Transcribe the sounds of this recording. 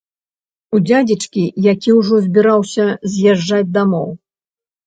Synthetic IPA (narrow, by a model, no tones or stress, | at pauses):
ud͡zʲad͡zʲit͡ʂkʲijakʲiwʐɔzʲbʲiɾawsʲɐzʲjaʐːad͡zʲd̪amɔw